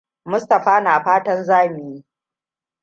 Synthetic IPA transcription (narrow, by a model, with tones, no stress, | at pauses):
mʊ˦stɐ˨ɸaː˦naː˨ɸaː˦tɐ˦nzaː˦mɪ˨jiː˦